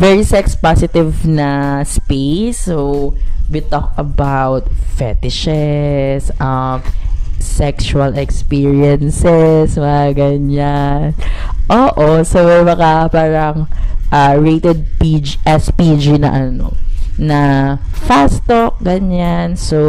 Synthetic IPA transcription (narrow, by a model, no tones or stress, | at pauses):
vɛɹisɛkspasɪt̪ɪvnɐspejsːowit̪ɔk̚ɐbawt̪̚fɛt̪ɪʃɛsʔɐmsɛksuɐlɛkspiɹiɛnsɛswɐaɡɐɲanʔoːʔosomɛjbɐkapaːɾɐŋʔaɹejt̪ɛd̪̚pid͡ʒʔɛspid͡ʒinɐ̰ʔɐno̰nɐ | fast̪ok̚ɡɐɲanso